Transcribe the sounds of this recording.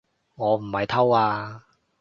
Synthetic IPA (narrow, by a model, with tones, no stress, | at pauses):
ŋɔː˨˧m̩˨˩mɐ˨jt̪ʰɐ˥waː˧